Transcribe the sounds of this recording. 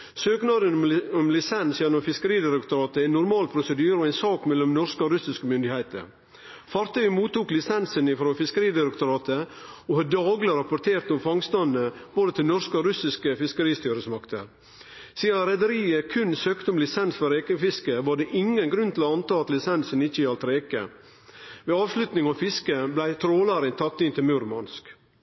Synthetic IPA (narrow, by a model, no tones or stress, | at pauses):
søːknɑd̪ənmɔmlɪsɛnsjɛnːɔmfɪskəɾiːd̪ɪɾəkt̪ʊɾɑːt̪əæɪnːʊɾmɑːlpʰɾʊsəd̪yːɾəɔæɪnsɑːkmɛlːɔmnɔɾskəɔɾʉsɪskəmʏnd̪ɪhæɪt̪ə̰ɾ | fɑɾt̪œʏəmuːt̪ːuːklɪsɛnsənɪfɾoːfɪskəɾiːd̪ɪɾəkt̪ʊɾɑːt̪əohɑdd̪ɑːɡlɪɾɑpʊɾt̪ʰeːɾt̪ɔmfɑŋst̪ɑnːəb̥oːd̪ət̪ʰɪlnɔɾskəoɾʉsɪskəfɪskəɾiːst̪yːɾəsmɑkt̪ʰəɾ | siːɑɾɛd̪əɾiːəkʰʉnsøːkt̪əɔmlɪsɛnsfɔɾeːkəfɪskəʋɑɖeʔɪŋənɡɾʉnt̪ʰɪlɔɑnt̪ɑːɑt̪lɪsɛnsənɪçəɪɑlt̪ɾeːkə̰ | ʋeːɑːʋslʉt̪nɪŋɑʋfɪskəblæɪt̪ʰɾoːlɑɾɪnt̪ʰɑk̚t̪ɪnt̪ɪlmʉːɾmɑ̰nsk